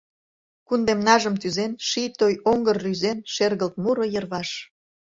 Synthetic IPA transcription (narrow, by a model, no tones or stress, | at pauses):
kund̪emnɑʒəmt̪yzenʃit̪ojoŋɡərːyzenʃerɣəlt̪̚muɾŏjə̆rβɑʃ